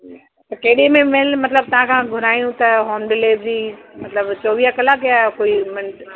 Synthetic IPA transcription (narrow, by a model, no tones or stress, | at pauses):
t̪ɐkeɦɪɗemẽmɐɦɪlmɐt̪ləb̚t̪ɐʋ̤ãkʰãɡʱʊɾaːijũt̪ɐɦoːmɖɪleːbd͡ʑiːmɐt̪ləbt͡ɕoːʋiːɦakɐlakjakoːimɪ